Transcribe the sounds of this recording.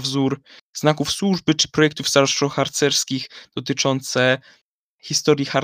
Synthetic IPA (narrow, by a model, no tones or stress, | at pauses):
vzuɾznakufswuʐbɘt͡ʂɘ̥pɾɔjɛk̚t̪uvsaɾʂɔxaɾt̪sɛɾskʲiɣd̪̥ɔt̪ɘt͡ʂɔnt̪sɛ | xʲist̪ɔɾʲjixaɾ